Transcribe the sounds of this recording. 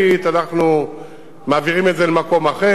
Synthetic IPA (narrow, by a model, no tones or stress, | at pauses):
it̪anaχnu | maːviʁime̞tzelemako̞maχe